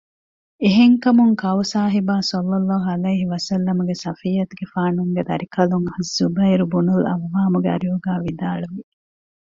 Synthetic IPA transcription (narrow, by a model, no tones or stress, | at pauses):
eɦeŋkɐmuŋkɐwsaːɦibaːsɐlːɐlːaːɦuɐlɐjɦiʋɐsɐlːɐmuɡesɐfijːɐt̪uɡefaːnuŋɡed̪ɐɾikɐluŋɐhzubɐiɾubunulɐ̰ʋːaːmuɡeɐ̰ɾiuɡaːʋid̪aːɭuʋi